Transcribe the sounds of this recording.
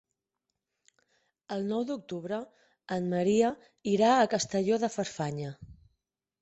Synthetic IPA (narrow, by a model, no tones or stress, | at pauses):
əlˠnɔwd̪uk̚t̪uβɾə | ənməɾiə | iɾaːkəst̪əʎoðəfəɾfaɲə